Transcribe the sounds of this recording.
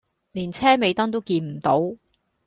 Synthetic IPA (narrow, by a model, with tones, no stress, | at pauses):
liː˨˩nt͡sʰɛː˥me˨˧jt̪ɐ˥ŋt̪o˥wkiː˧nm̩˨˩t̪o˨˥w